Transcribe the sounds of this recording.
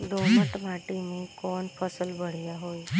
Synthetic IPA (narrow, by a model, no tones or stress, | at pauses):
ɖoməʈmaʈimẽkɔnpʰəsəlbʱəɽ̤jaɦoi